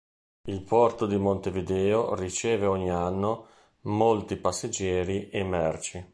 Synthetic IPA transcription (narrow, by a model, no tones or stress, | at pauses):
ilpɔrt̪od̪imont̪evid̪ɛːorit͡ʃɛːveɔɲːianːo | molt̪ipasːed͡ʒːɛːɾiʔemɛrt͡ʃi